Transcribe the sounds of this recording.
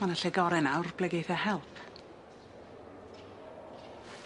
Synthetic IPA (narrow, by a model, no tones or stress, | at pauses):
anaɬɛɡɔɾɛnawrb̥lɛɡejθahɛlˠpʰ